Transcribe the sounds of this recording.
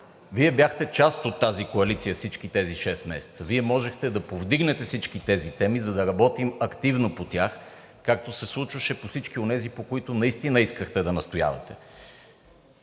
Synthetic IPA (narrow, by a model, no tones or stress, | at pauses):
viɛbjaxt̪ɛt͡ʃast̪ot̪ːazikoɐlit̪sijəfsit͡ʃk̟it̪ɛziʃɛst̪mɛ̰sɛ̥t̪səviɛmɔʒɛxt̪ɛd̪ɐpovd̪iɡnɛt̪ɛfsit͡ʃkit̪ɛzit̪ɛmizɐd̪ɐɾɐbɔt̪imɐkt̪ivnopot̪ʲax | kakt̪osɛslˠut͡ʃvəʃɛposit͡ʃkionɛzipokoit̪ʊnɐist̪inəiskəxt̪ɛd̪ɐnɐst̪oja̰vɐ̰t̪ɛ